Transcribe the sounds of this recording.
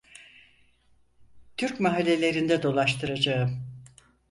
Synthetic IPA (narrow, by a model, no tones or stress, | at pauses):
t̪ʰyɾcmaɦalʲːelʲe̞ɾind̪ɛd̪o̞lˠaʃt̪ʰɯɾad͡ʒaɯm